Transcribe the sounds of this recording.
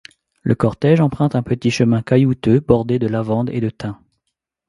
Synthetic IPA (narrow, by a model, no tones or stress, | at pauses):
lʔəkɔʁt̪ɛʒɑ̃pχɛ̃t̪ɛ̃pət̪iʃəmɛ̃kajut̪øbɔʁd̪ed̪əlavɑ̃d̪ḛd̪ət̪ɛ̃